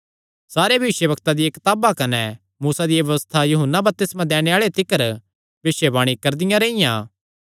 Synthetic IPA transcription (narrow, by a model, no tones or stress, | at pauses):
saːɾebʱɐʋɪʃjəbɐkt̪ad̪ɪjekɐt̪aːbakɐnɛ | muːsad̪ɪjaʋɐʋəst̪ʰajuɦənːabɐp̚t̪ɪsmãd̪ɛːɽ̃eaːɭet̪ɪkəɾ | bɪʃebaːɽ̃ikɐɾd̪ɪjãɾeːɪjãː